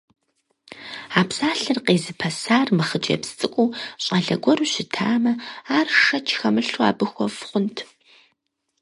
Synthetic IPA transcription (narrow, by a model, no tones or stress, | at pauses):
aːpsaːɬɨrqeːzɨpʰɐsaːrmɨχət͡ʃʼɐ̰pst͡sʼɨkʷʼuːɕʼaɮɐ̰ɡʷɔɾuːɕɪtʰaːmɐaːrʂɐt͡ʃʰxɐmɨɬwa̰ːbɨxʷɔfχʷʊntʰ